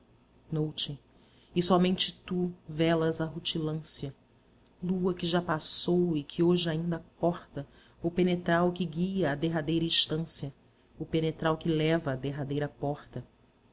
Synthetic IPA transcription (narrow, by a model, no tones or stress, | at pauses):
nowt͡ʃɪ | ɪsɔmẽnt͡ʃɪt̪uvɛlɐzɐɦut͡ʃilɐ̃sjɐ | luɐkɪʒapasowɪkʰɪoʒɪaĩnd̪ɐkɔχt̪ɐ | ʊpenet̪ɾawkɪɡiɐːd̪eɦad̪ejɾɐiʃt̪ɐ̃sjɐ | ʊpenet̪ɾawkɪlɛvɐːd̪eɦad̪ejɾɐpɔχt̪ɐ